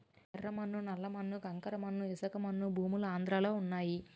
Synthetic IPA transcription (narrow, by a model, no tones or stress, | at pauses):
ɐɾɾɐmɐnːunɐlːɐmɐnːukɐŋkɐɾɐmɐnːuisɐkɐmɐnːubʱuːmuluaːnd̪ɾaːlo̞ːunːaːji